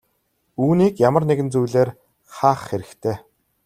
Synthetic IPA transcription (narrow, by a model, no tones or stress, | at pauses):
uːniːkjamə̆rneɣɘ̆nt͡sujɮeːr | χaːχːeɾɘ̆xt̪ʰeː